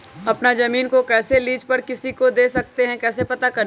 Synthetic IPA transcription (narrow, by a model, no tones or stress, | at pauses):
ɐpnazɐmiːnkokɛːseliːd͡ʒpɐɾkɪsikod̪eːsɐk̚t̪eɦɛ̃kɛːs̬epɐt̪akɐɾ